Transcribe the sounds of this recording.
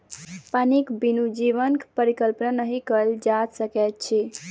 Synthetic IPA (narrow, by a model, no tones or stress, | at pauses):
panikbinud͡ʒiʋənkpəɾikəlpnanəɦikəld͡ʒad̪səkɛt̪̚t͡ʃʰi